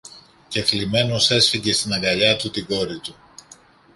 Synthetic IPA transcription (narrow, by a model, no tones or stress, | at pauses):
ce̞flime̞no̞se̞sfiɟe̞st̪inɐŋɡɐʎɐt̪ut̪iɡo̞ɾit̪u